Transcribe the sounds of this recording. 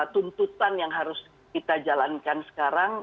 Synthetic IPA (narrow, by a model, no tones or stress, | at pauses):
t̪unt̪ut̪anjaŋɦaɾʊs | kit̪ad͡ʒalankansə̥kaɾaŋ